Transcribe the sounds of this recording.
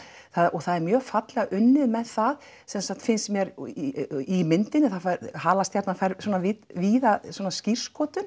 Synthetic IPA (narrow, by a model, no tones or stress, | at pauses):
θaðɔɣθaðɛɾmjœːɣfat̪lɛɣaʔʏnːɪðmɛðθað | sɛmsak̚t̪fɪnst̪mjɛɾ | imɪnt̪ɪnɪθafaɾhaːlast̪jaɾt̪nafajɾswɔnavɪviːðaswɔːnascir̥skɔːt̪ʏn